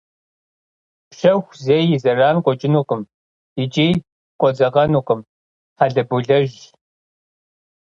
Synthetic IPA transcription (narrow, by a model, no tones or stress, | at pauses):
pɕɐxʷzejɪzɐraːnqʷʼɔt͡ʃʼɪnuːqʼəm | ɪt͡ʃʼiː | qʷʼɔd͡zɐʁɐnuːqʼəm | ħaɮɐbuɮɐʒ